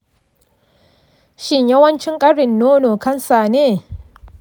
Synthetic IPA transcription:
ʃɪ˦ɲjɐ˦wɐ˦nt͡ʃɪ˦ŋkʼɐ˦ɽɪ˨nːoː˦noː˨kɐ˦nsa˨neː˦˨

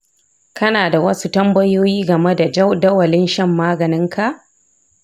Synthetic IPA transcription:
kʰɐ˦naː˨da˨wɐ˦su˦tɐ˦mbɐ˦joː˦jiː˦ɡɐ˨me˦da˨d͡ʒdɐ˦wɐ˨lɪ˦nʃɐ˦˨mːaː˦ɡɐ˨nɪ˦ŋkʰa˨ʔ

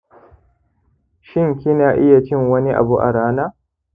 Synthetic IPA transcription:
ʃɪ˦˨ŋkʲɪ˦naː˨ʔɪ˦ja˨t͡ʃɪ˦ŋwɐ˦ni˦ʔa̰˨bu˦ʔa̰˨ɽaː˦naː˦

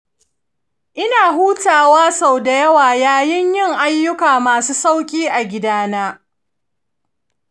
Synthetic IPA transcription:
ʔɪ˦naː˨ɦuː˦taː˨waː˦sa˨wda˨jɐ˦waː˨jaː˦jɪ˦ɲjɪ˦˨ŋʔa˦jːʊ˦kaː˨maː˨suː˦sa˦wkʲʼiː˦ʔa˨ɡʲɪ˦daː˦naː˦

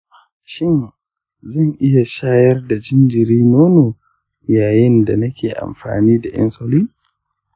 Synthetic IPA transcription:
ʃɪ˦n | zɐ˦˨ŋʔɪ˦ja˨ʃaː˦jɐ˦rda˨d͡ʒɪ˦nd͡ʒɪ˨ɾiː˦noː˦noː˨ | jaː˨jɪ˦nda˨nɐ˦kʲʰeː˨ʔa̰˨mɸa̰ː˨niː˦da˨j̰ʔɐ̰˦nso˦liː˦

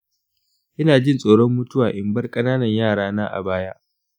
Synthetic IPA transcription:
ʔɪ˦naː˨d͡ʒɪ˦nsʼoː˨ɽɔ˦mːʊ˦tʊ˦waː˨ʔɪ˨mbɐ˦rkʼɐ˦naː˦nɐ˨ɲjaː˦˨ɽaː˦naː˦ʔa̰˨baː˦ja˦ʔ

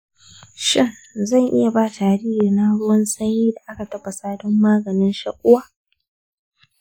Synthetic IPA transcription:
ʃɪ˦˨ŋzɐ˦˨ŋʔɪ˦ja˨baː˦taː˨ɾiː˦hɪ˨rna˦ɽʊ˦wɔ˦nsɐ˦ɲiː˦da˨ʔa˦ka˨tɐ˦bɐ˨saː˦dɔ˦mːaː˦ɡɐ˨nɪ˦nʃa˦kʷʼːʊ˦waː˦

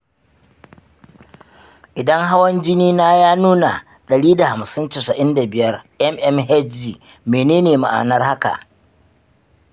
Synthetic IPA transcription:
ʔɪ˨dɐ˦ŋɦa˦wɐ˦nd͡ʒɪ˦niː˦naː˦jaː˦nuː˦na˨ | ɗɐ˨ɽiː˦da˨ha˨msɪ˦ntɪ˨sɐ˨ʔɪ˦nda˨bɪ˦jɐ˦rʔɛ˦mʔɛ˦mɦɛ˦d͡ʒdiː˨ | meː˨neː˦neː˨ma̰˨ʔa̰ː˨nɐ˦rha˦ka̰˨ʔ

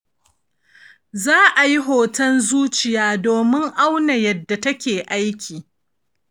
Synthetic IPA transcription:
zaː˦ʔa˨ji˦ɦoː˨tɐ˦nzuː˦t͡ʃɪ˨jaː˦doː˨mɪ˦ŋʔa˦wna˨jɐ˨dːa˨tɐ˦kʲeː˨ʔa˦jkʲiː˨

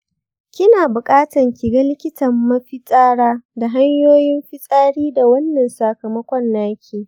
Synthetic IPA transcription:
kʲɪ˦naː˨bʊ˨kʼaː˦tɐ˨ŋkʲɪ˨ɡa˦lɪ˦kʲɪ˦tɐ˨mːɐ˦ɸɪ˦sʼaː˦ɽaː˦da˨ɦa˦ɲjoː˦jɪ˦mɸɪ˦sʼaː˦ɽiː˦da˨wɐ˦nːɐ˨nsa˨kɐ˨mɐ˦kʷɔ˦nːaː˦kʲʰeː˨

